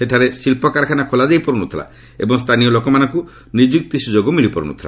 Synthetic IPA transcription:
seʈʰaɾesilpɔkaɾkʰanakʰolad̪ejpɔɾunut̪ʰila̰ | ḛbɔŋst̪ʰanijɔlokɔmanɔŋku | nid͡ʒik̚t̪isud͡ʒoɡɔmilipɔɾṵnṵt̪ʰila̰

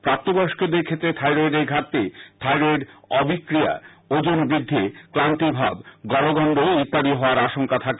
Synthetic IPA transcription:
pɾap̚t̪ːobɔʃked̪eɾkʰet̪ːɾet̪ʰajɾoɖeɾɡʱat̪ːet̪ʰajɾeɖɔbikːɾija̰od͡ʑonbɾid̪ʱːekɾant̪ibʱabɡɔɽoɡɔnɖoit̪ːaɽiɦɔoaɾaʃoŋkat̪ʰake

